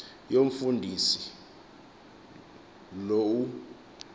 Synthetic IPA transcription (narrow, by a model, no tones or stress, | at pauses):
joɱ̩fundʱisi | lou